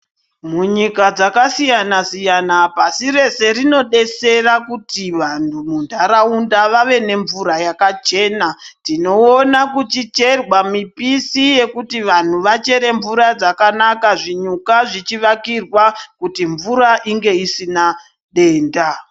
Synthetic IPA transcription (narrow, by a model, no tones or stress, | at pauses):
muɲikad͡zakasijanasijanapasiɾe̞se̞ɾino̞ɗe̞se̞rakutiʋantʰumundʱaɾaundaʋaʋe̞ne̞ɱvuɾajakat͡ʃe̞ːnatino̞ːnakut͡ʃit͡ʃe̞rwamipisije̞kutiʋan̤uʋat͡ʃe̞ɾe̞ɱvuɾad͡zakanakaʐiɲukaʐit͡ʃiʋakirwakutiɱvuɾaʔiŋɡe̞isina | ɗe̞ːnda